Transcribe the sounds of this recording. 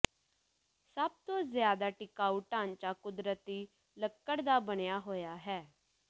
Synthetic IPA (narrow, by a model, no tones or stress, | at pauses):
səb̚t̪õzɪjaːd̪aːʈɪkaːuʈʈːãːnt͡ʃaːkʊd̪ɾət̪iː | ləkːəɽd̪aːbəɽejaːɦoːjaːɦɛː